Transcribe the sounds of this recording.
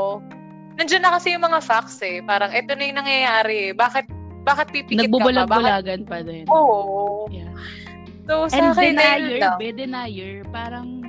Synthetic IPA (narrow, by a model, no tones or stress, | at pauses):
ʔ | nɐŋd͡ʒɐnːɐkɐsɛjʊŋmɐŋafaksɛpaːɾɐŋʔɛːt̪onɐjʊŋnɐŋjɐjaːɾɛɛbaːkɪt̪̚ | baːkɪt̪̚pipɪnɐɡ̚bʊkbʊlɐɡ̚baʊlaːɡɐnpɐd̪ɛnoːʔja | sosɛkɐɛnɐajɛabɛd̪ɛnajɛɹpaːɾɐŋ